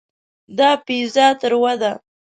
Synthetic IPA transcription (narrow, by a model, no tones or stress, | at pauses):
d̪ɑpizɑt̪əɾwad̪a